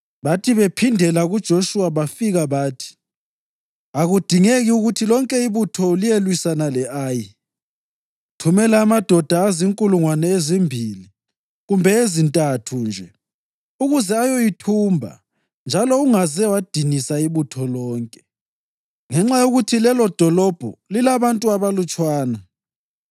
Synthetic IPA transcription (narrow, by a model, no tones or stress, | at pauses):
βatʰiβepʰindʱɛlaɣud̥ʒ̥ʱoʃuwaβafiɣaβaːtʰi̥ | aɣud̥ʱiŋeɣiuɣutʰilɔŋkʼɛiβutʰɔlijelwisanalɛʔaːji | tʰumɛlaːmad̥ʱɔd̥ʱaːziŋkʼuluŋwanɛezimbʱili | ɣumbʱɛezintʼatʰund͡ʒʱɛ | uɣuzɛajojitʰuːmbʱa̰ | nd͡ʒʱalɔuŋazɛwad̥ʱinisaiβutʰɔlɔːŋkʼɛ | ŋɛŋ͡ǁajoɣutʰilɛlɔd̥ʱɔlɔb̥ʱɔ̰lilaβantʼuaβalut͡ʃʼwaːna